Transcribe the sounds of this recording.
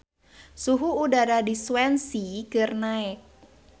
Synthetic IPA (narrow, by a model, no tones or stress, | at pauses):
suɦuːdaɾadisuwɛnsikɨrnaɛk̚